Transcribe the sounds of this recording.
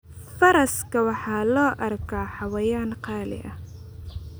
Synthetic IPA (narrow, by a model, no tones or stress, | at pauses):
fɐɾɐskʰɐwɑħɑːlɔːʔɐrkʰaːħɑwɐjaːnqɑːlɪ̰ʔɐ